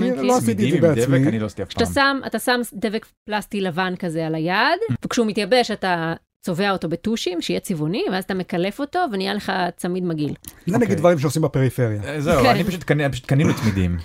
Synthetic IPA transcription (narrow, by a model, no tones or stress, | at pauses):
loasit̪̬iibead̪eveanilosi̥t̪iafaaamsama̰tasamdevekplastilavankazealajad̪vekʃeumit̪jabe̞ʃata | t͡so̞ve̞ao̞to̞be̞tuʃimʃeijet͡sivoniveazat̪ame̞kale̞fo̞to̞venijale̞χat͡samidmaɡilzenaɡid̪vaʁimʃ̬eosimbepeʁifeʁjazeuanibpaʃut̪̚kanipaʃu̥t̪kaninut̪mid̪ḭm